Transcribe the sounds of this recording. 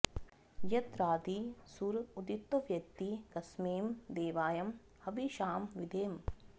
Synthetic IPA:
jɐt̪ɾaːd̪isuːɾud̪it̪ːoʋjɐkt̪ikɐsmeːmd̪eːʋaːjɐm | hɐʋiʃaːmʋid̪ʱeːm

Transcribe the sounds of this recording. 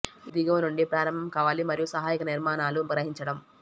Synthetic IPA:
id̪iɡɐʋnuɳɖipɾaːɾɐmbʱɐmkaːʋaːlimɐɾijusɐɦaːjikɐniɾmaːnaːluɡɾɐɦiɲt͡ʃɐɽɐm

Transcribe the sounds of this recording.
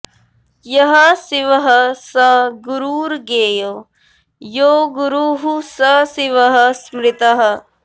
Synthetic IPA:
jɐɦɐsɪʋɐɦɐsɐɡuɾuːɾɡeːjo | joːɡuɾuɦusɐsɪʋɐɦɐ̆smɾɪt̪ɐɦɐ̆

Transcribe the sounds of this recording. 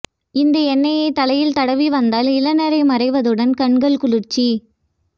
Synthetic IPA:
ɪnd̪ɐɛnːɐjɐɪt̪ɐlɐjɪlt̪ɐɽɐʋiʋɐnd̪aːlɪlɐnɐɾɐɪmɐɾɐɪʋɐðɯɽɐnkɐɳɡɐɭkʊɻɯrt͡ʃːi

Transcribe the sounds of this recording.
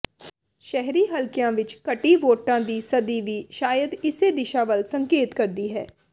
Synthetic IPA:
ʃɛɦɾiːɦɐlkijãːʋɪt͡ʃkɐʈiʋoːʈãːd̪iːsɐd̪iʋiːʃaːjəd̪ɪsed̪ɪʃaːʋəlsə̃ŋkeːt̪kəɾd̪iɦɛː

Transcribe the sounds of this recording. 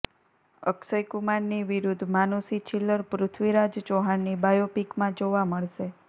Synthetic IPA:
əksəjkumaɳniʋiɾud̪ʱmanusit͡ʃʰilːəɾpɾʊt̪ʰʋiɾad͡ʒd͡ʒoɦanːibajopikmãd͡ʒoʋaməɭʃe

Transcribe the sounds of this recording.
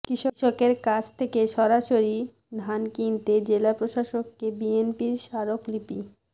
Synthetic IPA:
kɾiʃoʃokeɾkat͡ɕʰt̪ʰekeʃɔɾaʃoɾi | d̪ʱankint̪ed͡ʑelapɾoʃaʃokːebienpiɾʃaɾoklipi

